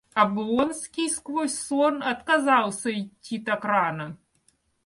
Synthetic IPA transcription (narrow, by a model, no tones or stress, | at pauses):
ɐbɔnsʲkʲijskvɔsʲsɔnɐt̪kazawsʲɐit͡sʲːit̪akɾanɐ